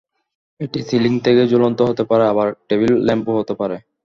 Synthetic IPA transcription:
eʈisiliŋt̪ʰeked͡ʑolont̪oɦot̪epaɾeabaɾʈebilːɛmpoɦot̪epaɾe

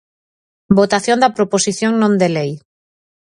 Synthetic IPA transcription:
bot̪aθjõnd̪apɾoposiθjoŋnõnd̪elej

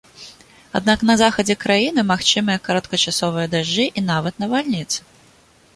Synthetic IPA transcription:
a̰d̪naknɐzaxɐd͡zʲɛkɾajinɨmaxt͡ʃɨmɐjɐkɐɾɐt̪kɐt͡ʃasɔvɨjɐd̪aʐɨʔinavɐt̪nɐvalʲnʲit̪sɨ̥

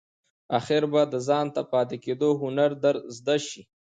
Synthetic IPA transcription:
axɪɾbad̪əzɑnt̪apɑt̪eked̪oɦʊnaɾd̪aɾzd̪aʃi

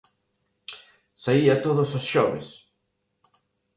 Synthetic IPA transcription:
saiat̪oðososʃɔβḛs

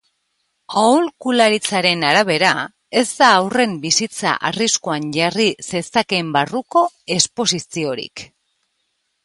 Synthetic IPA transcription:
aulkulaɾit͡saɾe̞naɾaβ̞e̞ɾa | e̞zd̪aːwre̞mbisit͡sa̰ʔa̰riskoanʝarise̞sake̞mbaruko̞ | e̞spo̞sisio̞ɾḭk

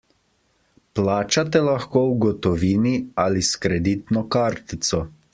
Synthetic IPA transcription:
plaːt͡ʃat̪ɛlaxkoːwɡɔt̪ɔʋiːnialiskɾɛd̪iːt̪nɔkaɾt̪it̪sɔ

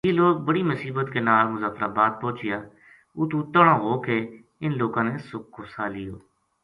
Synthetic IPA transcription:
jiːloːk̚bəɽiːmʊsiːbət̪keːnaːlmʊzaːkɾaːbaːd̪̚põːt͡ʃɪjaː | ʊt̪uːt̪əɽãːɦoːkeː | ɪnloːkãːneːsʊk̚ːoːsaːlɪjoː

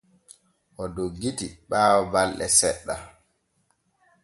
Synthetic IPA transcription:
ʔɔdoɡːitiɓaːwɔbalɗɛ̰sɛɗːa

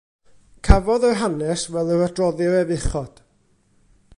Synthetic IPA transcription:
kʰavɔðərɦanɛsvɛlˠəɾədrɔðəɾɛvɪχɔd̥

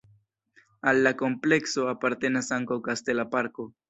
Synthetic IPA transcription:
alːako̞mple̞kso̞apaɾte̞nasaŋkawkaste̞lapaɾko̞

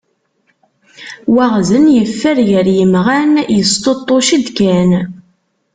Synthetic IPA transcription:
wæʁzənjəfːəɾjəɾjəmʁænjəst̪ot̪ˤːoʃəd̪kæn

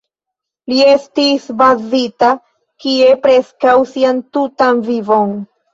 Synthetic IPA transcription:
lie̞stisbazita | kie̞pɾe̞skawsiantutanvivo̞n

